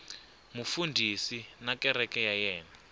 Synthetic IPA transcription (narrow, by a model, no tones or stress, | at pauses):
mufundʱisinakɛɾɛkʼɛjajɛːna